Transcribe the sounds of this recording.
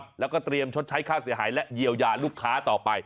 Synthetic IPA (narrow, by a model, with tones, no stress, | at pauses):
lɛ˦˥wkɔː˥˩t̪ɾi˧əmt͡ɕʰo˦˥t̪̚t͡ɕʰa˦˥jkʰaː˥˩wsi˩˦ɦaː˩˦jlɛ˦˥ʔji˧əwjaː˧luː˥˩kʰːaː˦˥t̪ɔː˨˩pa˧j